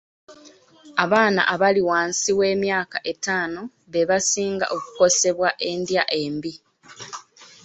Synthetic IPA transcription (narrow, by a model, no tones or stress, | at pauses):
aβaːna̰ʔaβaliwaːnsiwe̞ːmjaːkaʔe̞taːno̞ | βe̞βasiːŋɡa̰ʔo̞ku̥ko̞se̞βwaʔe̞ndjaʔe̞ːmbi